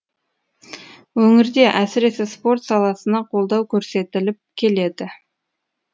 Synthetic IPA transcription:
wɵŋɪɾd̪e̞ʔæsɪɾe̞sɪspo̞rt̪sɑlˠɑsənɑqʰo̞lˠd̪ɑwkʲʰɵɾse̞t̪ɪlɪp̚kʲʰe̞le̞d̪ɪ

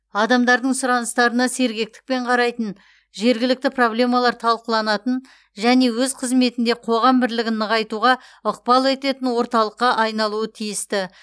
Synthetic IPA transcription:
ɑd̪ɑmd̪ɑɾd̪əɴsʊɾɑnəst̪ɑɾənɑse̞ɾɡʲe̞k̚t̪ɪ̥k̚pe̞ɴqʰɑɾɑjt̪ən | ʒe̞ɾɡʲɪlɪk̚t̪ɪpro̞blʲe̞mɑlˠɑɾt̪ʰɑlˠqəlˠɑnɑt̪ən | ʒæne̞wɵzqʰəzme̞t̪ɪnd̪e̞qʰo̞ʁɑmbɪɾlɪɡʲɪnːəʁɑjt̪uʁɑʊq̚pɑlˠe̞t̪e̞t̪ɪnwo̞ɾt̪ɑlˠəqːɑʔɑjnɑlˠuət̪ʰijɪst̪ɪ

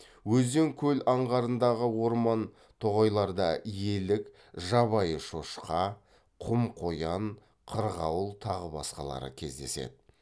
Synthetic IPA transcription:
wɵzd̪e̞ŋkʲʰɵlɑɴʁɑɾənd̪ɑʁəwo̞ɾmɑn | t̪ʰoʁɑjlˠɑɾd̪ɑ̰ije̞lɪk | ʒɑβɑjəʃo̞ʃqɑ | qʰʊmqʰojɑn | qʰəɾʁɑwəlˠt̪ʰɑʁəbɑ̰sqɑ̰lˠɑ̰ɾə̰kʲʰe̞̰zd̪e̞̰se̞̰d̪ɪ

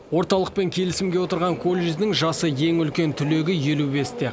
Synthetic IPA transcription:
wo̞ɾt̪ɑlˠəq̚pe̞ŋkʲʰe̞lɪsɪmɡʲe̞wo̞t̪əɾʁɑŋkʰo̞lʲːeʒd̪ɪŋʒɑsəje̞ŋʏlkʲe̞nt̪ʰʏle̞ɡʲɪje̞lube̞st̪e̞

